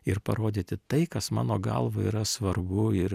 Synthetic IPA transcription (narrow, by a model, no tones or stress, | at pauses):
ɪɾpɐɾoːd̪ʲeːt̪ʲɪt̪ɐɪkɐsmɑ̰ːnoːɡɐ̰lˠʋɐḭɾɐsʋɐɾbʊɪɾ